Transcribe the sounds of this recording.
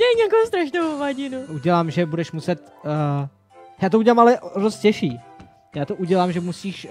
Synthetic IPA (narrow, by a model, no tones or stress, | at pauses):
dɛjɛɲakost̪ɾaʃnowovaɟɪnuʔuɟɛlaːmʒɛbudɛʃmusɛt̪ː | jaːt̪ouɟɛlamalɛʔdost̪̚cɛʃiː | jaːt̪oʔuɟɛlaːmʒɛmusiːʃ